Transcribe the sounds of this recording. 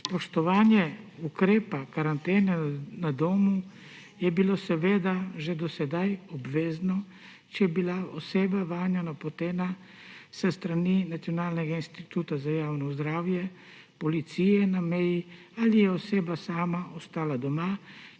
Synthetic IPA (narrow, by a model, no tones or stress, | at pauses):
pɔʃt̪ɔʋaːnjɛukɾeːpakaɾant̪eːnɛnad̪oːmu | jɛbilosɛʋeːd̪aʒed̪ɔsɛd̪ajɔbʋeːznɔ | t͡ʃɛjɛbilaɔseːbaʋaːnjɛnapɔt̪eːna | sɛst̪ɾaninat̪sijɔnaːlnɛɡainst̪it̪uːt̪azajaːwnɔzd̪ɾaːwjɛ | pɔlit̪sijɛnamɛji | alijɛɔseːbasaːmaʔɔst̪aːlad̪ɔma